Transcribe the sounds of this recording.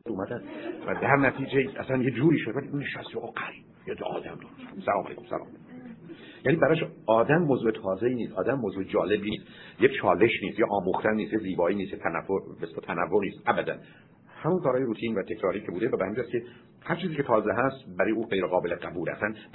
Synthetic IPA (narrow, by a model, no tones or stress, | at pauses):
uːmæd̪ænvæd̪æɾnæt̪ʰiːd͡ʒeʔæsænjed͡ʒuːɾiːʃod̪eæliuneʃæst̪oɒɡæɾib | jeʔɒ̰ːd̪æmd̪ɒnsmsælɒːmæ̰ɡmsæ̰lɒ̰ːm | jæːnibæɾɒːʃɒːd̪æmːozuːet̪ʰɒːzeiːniːsɒːd̪æmːozued͡ʒɒːle̞biist̪jet͡ʃʰɒːle̞ʃniːst̪jeʔɒːmuxt̪ænniːst̪jeziːbɒːiːnist̪jet̪ʰænæ̰vːobeslɑt̪ʰænævːoniːst̪ʔæbæd̪æ̰n | hæmunkʰɒːɾɒːjeɾut̪ʰiːnvæt̪ʰe̞kʰɾɒːɾiːcʰe̞buːd̪evæbehæmind͡ʒæskcʰe | hæɾt͡ʃʰiːziːcʰʲe̞t̪ʰɒːzeɦæst̪bæɾɔːjeuːɡejɾeɣɒːbe̞leɡæbuːlæ̰sæn